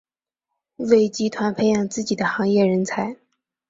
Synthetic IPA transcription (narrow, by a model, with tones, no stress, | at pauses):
we˥˩ɪt͡ɕi˥t̪ʰwa˧˥npʰe˥˧ɪjɑ˨˩ŋt͡sɹ̩˥˩t͡ɕi˨˩d̪ə˦xɑ˧˥ŋjɛ˥˩ɻə˧˥nt͡sʰa˧˥ɪ